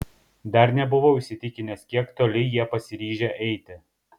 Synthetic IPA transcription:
d̪ɐɾnʲɛbʊʋoʊʃʲsʲɪt̪ʲɪkʲɪnʲɛskʲiɛkt̪oːlʲɪjiɛpɐsʲɪɾʲiːʒʲɛʔɛɪt̪ʲɪ

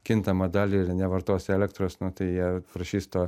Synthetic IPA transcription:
kʲɪnt̪ɐmɐd̪ɑːlʲinʲɛʋɐrt̪oːsʲɛlʲɛk̚t̪ɾoːsnʊt̪ɐɪjiɛpɾɐʃʲiːst̪oː

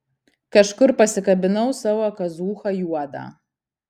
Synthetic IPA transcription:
kɐʃkʊrpɐsʲɪkɐbʲɪnɐwsawɐkɐzuːxɐjuɔd̪a̰

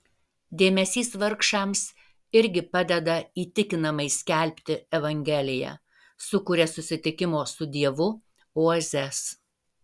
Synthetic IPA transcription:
d̪ʲeːmʲɛsʲiːsʋɐɾkʃɑˑms | ɪɾʲɡʲɪpɐd̪ʲɛd̪ɐiːt̪ʲɪkʲɪnɐmɐɪsʲkʲɛˑlʲpʲt̪ʲɪɛʋɐŋʲɡʲɛlʲɪjɛ̰ː | sʊkʊːɾʲɛsʊsʲɪt̪ʲɪkʲɪmoːsʊd̪ʲiɛʋʊ | oɔzʲɛs

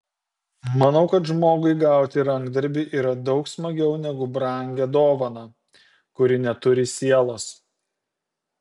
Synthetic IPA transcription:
mɐnɒʊkɐt̪ʒmoːɡʊɪɡɑˑʊt̪ʲɪɾɐŋɡd̪ɐɾʲbʲɪʔiːɾɐd̪ɒʊksmɐɡʲɛʊnʲɛɡʊbɾɐˑŋʲɡʲɛd̪oːʋɐnɐ | kʊɾʲɪnʲɛt̪ʊɾʲɪsʲiɛlˠoːs

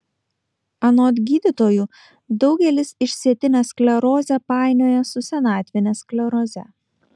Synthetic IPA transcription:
ɐnoːt̪ʲɡʲiːd̪ʲɪt̪oːjuː | d̪ɒʊɡʲɛlʲɪsɪʃʲsʲiɛt̪ʲɪnʲɛsklʲɛɾoːzʲɛpɑˑɪnʲoːjɛsʊsʲɛnɑːt̪ʲʋʲɪnʲɛsklʲɛɾoːzʲɛ

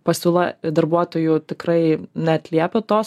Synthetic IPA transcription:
pɐsʲuːlˠɐd̪ɐrbuɔt̪oːjut̪ʲɪkrɐɪnʲɛɐt̪ʲlʲiɛpʲot̪oːs

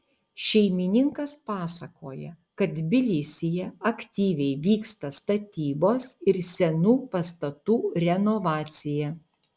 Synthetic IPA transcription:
ʃʲɛɪmʲɪnʲɪŋkɐspɑːsɐkoːjɛ | kɐt̪bʲɪlʲɪsʲɪjɛɐkʲt̪ʲiːʋʲɛɪʋʲiːkst̪ɐst̪ɐt̪ʲiːboːsɪɾsʲɛnuːpɐst̪ɐt̪uːɾʲɛnɔʋɑːt̪sʲɪjɛ

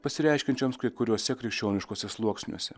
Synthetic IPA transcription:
pɐsʲɪɾʲɛˑɪʃʲkʲɪnʲt͡ʃʲoːmskɐɪkʊɾʲuɔsʲɛkɾʲɛɪkʃʲt͡ʃʲoːnʲɪʃkoːsʲɛslˠuɔksʲnʲuɔsʲɛ

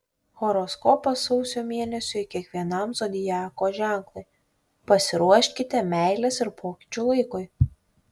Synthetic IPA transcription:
xɔɾɔskɔpɐsɔʊsʲoːmʲeɛnʲɛsʲʊɪkʲiɛkʋʲiɛnɐmsod̪ʲɪjæːkoːʒʲæˑŋklˠʊɪ | pɐsʲɪɾuɔʃʲkʲɪt̪ʲɛmʲɛˑɪlʲɛsɪɾpʰoːkʲɪ̥t͡ʃʲulˠɐɪkʊɪ

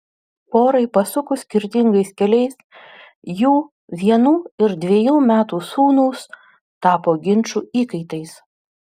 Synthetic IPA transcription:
poːɾɐɪpɐsʊkʊsʲkʲɪɾʲt̪ʲɪŋɡɐɪskʲɛlʲɛɪs | juː | ʋʲiɛnuːɪɾd̪ʲʋʲiɛjuːmʲæːt̪uːsuːnuːs | t̪ɑːpoːɡʲɪnʲˑt͡ʃuːiːkɐɪt̪ɐɪs

